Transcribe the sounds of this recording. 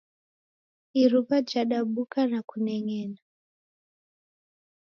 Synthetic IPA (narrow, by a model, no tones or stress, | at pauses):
irupad͡ʒaɗaɓukanakuneŋeːna